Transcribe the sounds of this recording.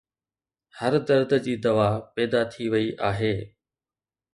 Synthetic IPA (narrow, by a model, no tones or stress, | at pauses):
həɾd̪ɐɾd̪d͡ʑiːd̪ɐʋaːpɛːd̪at̪ʰiʋɐiʔaːɦeː